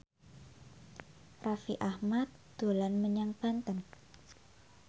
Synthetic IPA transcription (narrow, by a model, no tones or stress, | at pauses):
rafiʔahmat̪̚d̪̥o̤lanməɲaŋb̥a̤nt̪ən